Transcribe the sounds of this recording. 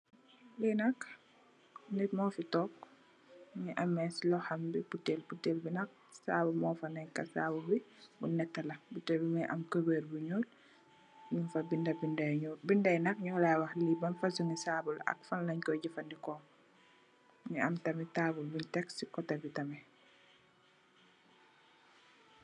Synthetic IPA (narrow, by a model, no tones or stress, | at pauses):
linɐk | nɛtmɔːfitɔːk̚ | ɲiʔɐmːɛslɔhɐmbiputːelputːeːlbinɐk̚ | saːbumɔːfɐnɛkːɐsa̰bulbibunɛtːɐlɐbutɛbimɛʔɐ̰mkəbəːɾbuɲoːl | ɲunfɐbindɐbindbindɐjnɐk̚ɲɔːlawɐxlibɐnfasuŋisabulɐ̰k̚fanlɐɲkɔɟifɐndikɔːŋ | ɲiɐmtɐmitaːbulbintɛksikɔtɐbitɐmɛ